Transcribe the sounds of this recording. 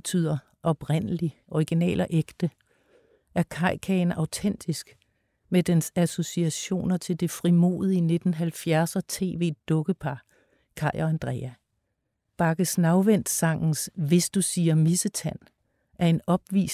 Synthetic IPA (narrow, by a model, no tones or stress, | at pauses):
t͡sʰy̰ːð̰ˠɐ | ʔɒ̽b̥ʁen̰əliʔɒiɡ̥inɛ̰ːlɐʔeɡ̥d̥ə | ʔæɐkʰɑ̈ɪ̰kʰɛnɑ̈ʊt͡sʰen̰d̥isɡ̥ | med̥ensæso̝siæɕo̝̰ːnɐt͡sʰe̝ld̥e̝fʁimo̝̰ːðˠiine̝d̥n̩ɦælfjæɐsɐt͡sʰe̝̰ːʋe̝̰ːd̥ɔ̽ɡ̥əpʰɑ̈ | kʰɑ̈ɪɐænd̥ʁɛ̰æ | b̥ɑ̈ɡ̥əsnɑ̈ʊʋen̰d̥sɑ̈ŋ̰n̩sʋe̝sd̥usiːɐmisət͡sʰæn | ʔæɐe̝nɒ̽b̥ʋḭːs